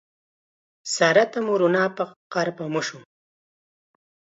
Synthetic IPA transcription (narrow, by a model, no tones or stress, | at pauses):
saɾat̪amuɾunɑːpaqaɾpamuʃu